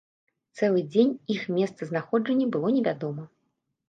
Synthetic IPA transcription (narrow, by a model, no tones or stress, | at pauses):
t̪sɛlˠɨd͡zʲenʲixmʲɛst̪sɐznaxɔd͡ʐɐnʲːɐbɨlˠɔnʲɛvʲad̪ɔmɐ